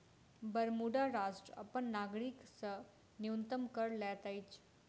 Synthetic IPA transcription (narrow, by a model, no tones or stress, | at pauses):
bəɾmuɖaɾasʈɾə̰pəɳnaɡɽiksə | njunt̪əmkəɾlɛt̪ajt͡ɕ